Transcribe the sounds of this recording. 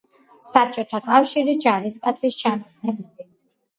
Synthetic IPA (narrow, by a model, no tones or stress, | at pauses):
sap̚t͡ʃʼɔt̪ʰakʼafʃiɾid͡ʒaɾiskʼat̪sʰʼist͡ʃʰamat̪sʼɛbdi